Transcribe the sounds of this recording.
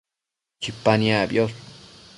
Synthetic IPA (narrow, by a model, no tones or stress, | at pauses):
t͡ʃipanjabjos